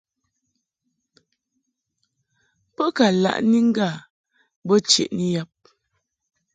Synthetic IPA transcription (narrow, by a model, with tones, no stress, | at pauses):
pə˦ka˨la̰˦˨ʔni˦ŋ̩˦ɡa˦˨ | bə˦t͡ʃḛ˨ʔni˦ja˦p̚